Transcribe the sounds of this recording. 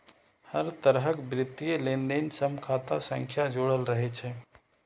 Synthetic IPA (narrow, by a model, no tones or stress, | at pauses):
həɾt̪əɾɦəkbɾɪt̪ːijelẽnd̪ensəmkʰaːt̪asə̃ŋkʰjad͡ʒoːɽəlɾəɦɛt͡ʃʰɛ